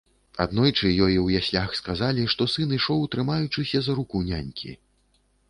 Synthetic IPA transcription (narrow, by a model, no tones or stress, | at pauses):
a̰d̪nɔjt͡ʂɨjɔjiwjasʲlʲaxskazalʲiʂt̪ɔsɨnɨʂɔwt̪ɾɨmajut͡ʂɨsʲɐzɐɾukuwnʲanʲkʲḭ